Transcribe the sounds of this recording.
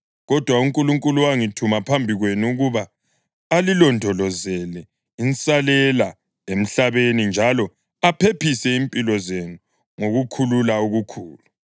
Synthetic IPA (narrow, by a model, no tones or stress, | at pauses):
ɣɔd̥ʱwauŋkʼuluŋkʼuluwaŋitʰumapʰambʱiɣwenuuɣuβaː | lilɔndʱɔlɔzɛlɛ | insʼalɛla | em̩ɬaβenind͡ʒʱalɔ | apʰepisɛimpʼilɔzenu | ŋoɣukʰululauɣukʰuːlu